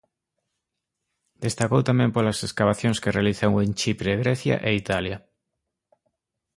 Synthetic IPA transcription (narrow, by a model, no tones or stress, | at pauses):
d̪̥est̪akowt̪amẽmpolaseskaβ̞aθjoŋskerealiθaŋwẽnt͡ʃipɾeɣɾeθja̰ʔeit̪alja